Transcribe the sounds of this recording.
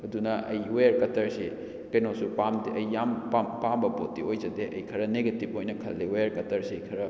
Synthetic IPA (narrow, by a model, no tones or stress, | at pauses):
ɐdunɐʔɐ̰jwejɐɾkɐtɐɾsi | kɐjnosupamdɐjːampampambɐpotːiojzɐdeʔɐjkʰɐɾɐneɡɐtip̚ojnɐkʰɐlːiwejɐɾkɐtɐɾsiɐjkʰɐɾɐ